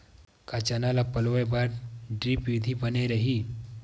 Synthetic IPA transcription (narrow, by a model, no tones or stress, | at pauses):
kat͡ɕanalapəlʋəjbaɾɖɾiːpʋid̪ʱibəneɾəɦi